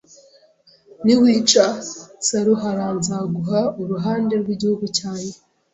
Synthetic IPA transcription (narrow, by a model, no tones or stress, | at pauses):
niwiːt͡ʃasaɾuɦaɾaːnzaɡuɦauɾuɦaːnde̞ɾɡwiɟihuɡucaːɲe̞